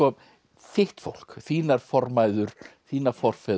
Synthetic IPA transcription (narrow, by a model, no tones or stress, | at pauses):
ɔ | fɪht̪fo̰wl̥kθiːnaɾ̥fɔɾmaːjðʏɾ̥θiːnafɔɾ̥fɛ